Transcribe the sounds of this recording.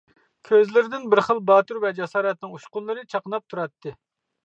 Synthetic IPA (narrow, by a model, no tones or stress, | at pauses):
kʲʰøzlɪɾɪd̪ɪnbɪɾχəlˠbɑːt̪uɾvɛd͡ʒɛsɑːɾɛt̪nɪŋuʃqʊnlˠɨɾɨt͡ʃʰɑqənɑp̚t̪ʰuɾɑt̪ʰːɨ